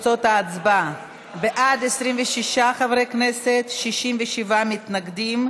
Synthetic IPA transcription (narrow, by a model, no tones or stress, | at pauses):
t͡sot̪aːt͡sba | beʔad̪esʁimveʃiʃaχavɾekneset̪ʃiʃimveʃivamit̪naɡd̪im